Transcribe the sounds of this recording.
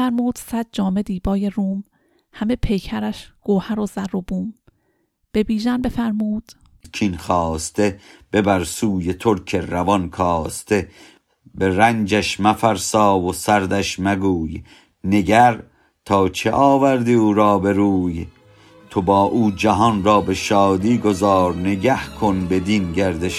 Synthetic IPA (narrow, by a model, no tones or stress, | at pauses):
æɾmuːd̪̥sæd̪̚d͡ʒɒːme̞d̪iːbɒːjeruːm | hæme̞pʰe̞jcʰæɾæʃɡ̥oːhæɾozærobuːm | b̥e̞biːʒænbefæɾmuːd̪̥ | cʰinxɒːst̪ʰe̞b̥ebæɾsuːjet̪ʰoɾkʰeɾævɒnkʰɒːst̪ʰe̞ | be̞ɾænd͡ʒæʃmæfæɾsɒːvosæɾd̪æʃmæɡuːj | ne̞ɡæɾ | t̪ʰɒːt͡ʃʰeʔɒːvæɾd̪iːuːɾɒːbe̞ɾuːj | t̪ʰobɒːʔuːd͡ʒæɦɒnrɒːbe̞ʃɒːd̪iːɡozɒːɾneɡæhkʰonbe̞d̪inɟæɾd̪eʃ